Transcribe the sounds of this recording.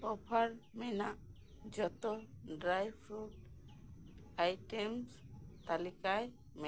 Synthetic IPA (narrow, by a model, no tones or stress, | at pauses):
ɔpʰaɾmɛnaʔ | d͡ʒɔt̪ɔɖɾajbʰɾu | ajʈɛmst̪alikaj | mɛ